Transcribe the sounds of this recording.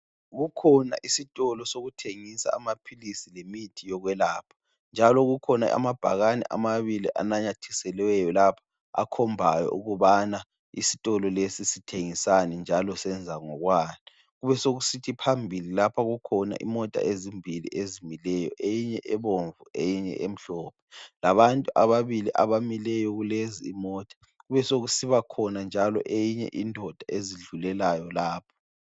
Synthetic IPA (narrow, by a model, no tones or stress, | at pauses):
ɣukʰɔna̰ʔisitʼɔlɔsoɣutʰeŋisa̰ːmapʰilisilemitʰijɔɣwɛlaːpʰḁ | nd͡ʒʱalɔɣukʰɔna̰a̰mab̥ʱaɣanɛ̰ʔa̰maβilḭʔa̰naɲatʰisɛlwɛjɔlapʰḁ | a̰kʰɔmbʱajɔ̰ʔuɣuβana | ḭsi̥tʼɔlɔlesisitʰeŋisanɛnd͡ʒʱalɔsɛnd͡zʱaŋɔɣwaːni | ɣuβɛsoɣusitʰipʰambʱililapʰaɣukʰɔna̰ʔḭmɔtʼa̰ʔezimbʱilḭʔezimilɛjɔ̰ʔejiɲɛʔɛβoɱvuejiɲɛ̰ʔem̩ɬɔːpʰɛ̥laβantʼuʔaβaβiliʔa̰βamilɛjɔɣuleziːmɔːtʼḁ | ɣuβɛsoɣusiβakʰɔnand͡ʒʱalɔ̰ʔejiɲɛ̰ʔindʱɔd̥ʱaʔeziɮulɛlajɔlaːpʰɔ̥